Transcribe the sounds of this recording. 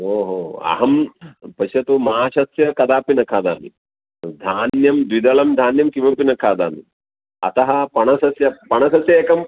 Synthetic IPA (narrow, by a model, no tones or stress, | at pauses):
ɦoːɦoːɐ̰ɦɐmpɐʃjɐt̪umɐɦaːʃɐsjɐkɐd̪aːpinɐkʰaːd̪aːmḭ | d̪ʱaːnjɐmd̪ʋid̪ɐlɐmd̪ʱaːnjɐmkiʋɐpinɐkʰaːd̪a̰ːmḭ | ɐ̰t̪ɐɦɐ̆pɐɳɐsɐsjɐpɐɳɐsɐsjɐeːkɐm